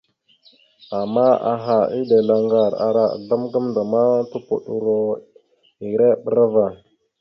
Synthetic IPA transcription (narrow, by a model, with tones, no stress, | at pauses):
a˨mːa˦a̰˨ɦa˨i˦de˨la˨ŋɡa˨ɾa̰˨ɾa̰˨da˦mɡa˦mnda˨ma˦tu˦pu˨ɗu˨ɾo˨ | i˨ɾe˦ɓə˦ɾa˦va˨